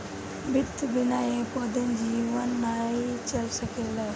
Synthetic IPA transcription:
bɪt̪ʰbɪnaːĩpoːd̪ənɪ̆d͡ʑiːʊʋənːaːit͡ɕɐlsɐkʰeːlaː

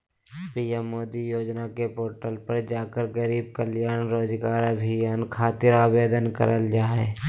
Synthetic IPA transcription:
piːɛmːoːd̪ijoːd͡ʒnakepoːɾʈəlpəɾd͡ʒaːkəɾɡəɾiːb̚kəljaːnɾoːd͡ʒɡaːɾabʱijankʰaːt̪ɪɾaːbeːd̪ənkə̰ɾʔəld͡ʒaːeː

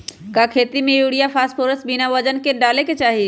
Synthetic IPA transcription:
kakʰeːt̪imẽjuːɽijapʰaːspʰoːɾəsbinaʋəd͡ʒənkeɖaːleket͡ʃaːɦi

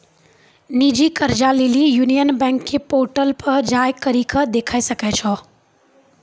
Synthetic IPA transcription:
nid͡ʒikəɾd͡ʒalilijuːnijənbɛ̃ŋkʰːepoːɾʈəlpəɾd͡ʒajkɐɾikʰəd̪eːkʰaːisɐkɛt͡ʃʰɔ

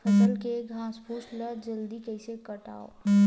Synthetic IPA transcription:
pʰəsəlkeɡʱãspʰusləd͡ʒəld̪ikəɪsekəʈa̰ːo̰

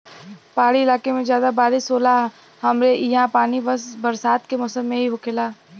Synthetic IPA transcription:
paːɽiɪlaːkemẽd͡ʒjaːd̪abaːɾisoːla | ɦɐmɾejɦãpaːnibəsbɐɾsaːt̪kemɔsəmːẽɦiɦokʰelaː

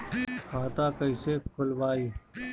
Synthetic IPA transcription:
kʰaːt̪aːkɐiseːkʰʊlʋaːiː

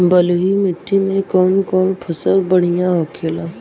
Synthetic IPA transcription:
bəloɦimɪʈʰːimẽkɔːnkɔːnpʰʊsəkbəɽ̤ijãɦokʰelaː

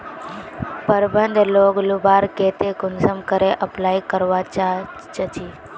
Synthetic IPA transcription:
pəɾbənd̪ʱloːɡlʊbaːɾkeːt̪ekʊnsəmkəɾeʔəplaːikəɾʋaa | t͡ʃət͡ʃʰiː

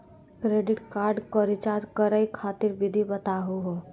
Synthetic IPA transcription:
kɾeɖɪʈkaːɾɖkəɾit͡ʃad͡ʒkəɾəjkʰaːt̪iɾʋɪd̪ʱibət̪aɦuɦo

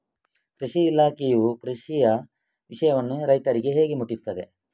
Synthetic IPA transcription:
kɾiʂiːlaːkejukɾiʂijɐ | ʋiʂɐjɐʋɐnːuɾɐjt̪ɐɾiɡe̞ɦe̞ːɡemuʈːist̪ɐd̪e̞

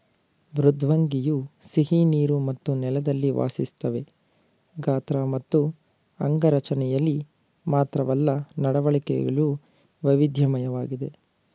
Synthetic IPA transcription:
bɾud̪ʱʋɐŋɡijusiɦiniːɾumɐt̪ːunɛlɐd̪ɐlːiʋa̰ːsist̪ɐʋe̞ | ɡaːt̪ɾamɐt̪ːu | ɐŋɡɐɾɐt͡ʃɐnɛjɐlːi | maːt̪ɾɐʋɐlːɐnɐɽɐʋɐɭikɛ̰ɡɐɭu | ʋɐʋid̪ʱjɐmɐjɐʋaːɡid̪e̞

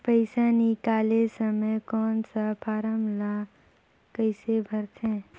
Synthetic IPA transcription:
pəɪsanikaːlesəməjkɔːnsapʰaːɾəmla | kəɪsebʱəɾt̪ʰɦɛ̃ː

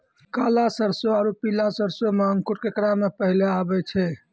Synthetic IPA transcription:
kalasəɾsoaɾupilasəɾsomeəŋkuʈkekɾamepəɦileabɛt͡ʃʰɛ

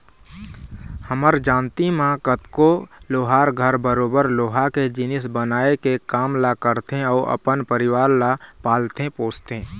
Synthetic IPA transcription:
həməɾd͡ʒãːnt̪imãkət̪koloːɦaːɾɡʱəɾbəɾoːbəɾloːɦaked͡ʒɪnɪsbənaːekekaːmlakəɾt̪ẽɔːʔə̰pənpəɾɪwaːɾlapaːlt̪ẽpoːst̪ẽː

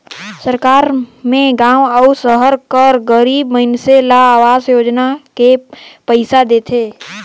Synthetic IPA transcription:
səɾkaːɾmẽɡãːwəʊsəɦəɾkəɾɡəɾiːbməɦɪnselaːʋaːzjoːd͡ʒnakepəɪsad̪eːt̪ʰeː

